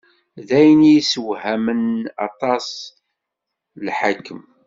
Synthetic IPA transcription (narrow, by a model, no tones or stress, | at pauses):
ðæjənijisəwhæmənɑ̰t̪ˤɑs | lħakːəm